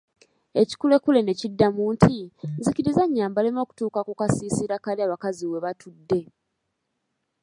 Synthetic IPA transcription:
e̞ci̥kule̞kule̞ne̞cidːamuːntʰinzikiɾizaɲːaːmbalemo̞ːku̥tuːkakukasiːsiɾakaliaβakaziwe̞βatʰudːe̞

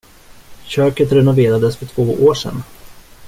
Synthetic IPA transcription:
ɕøːkət̪ɾɛnʊveːɾad̪əsfœʈʰvoːʔoːʂɛ̰n

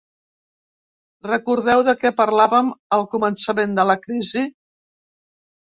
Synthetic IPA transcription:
rəkuɾðɛwðəkɛpəɾlaβəməlˠkumənsəmend̪ələkɾizi

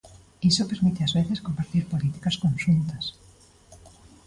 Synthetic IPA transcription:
isopeɾmit̪ɪazβeθɪskompaɾt̪iɾpolit̪i̥kɐskonʃunt̪ɐs

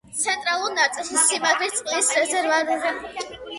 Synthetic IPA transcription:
t̪sʰɛnt̪ʼɾalˠuɾnat̪sʼilˠʃsimapʰit̪sʼqʼlisɾɛzɛɾvad̪ɔ

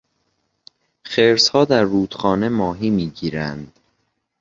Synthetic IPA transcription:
χeɾshɒːd̪æɾːuːd̪̥xɒːne̞mɒːɦiːmiːɟiːɾænd̪̥

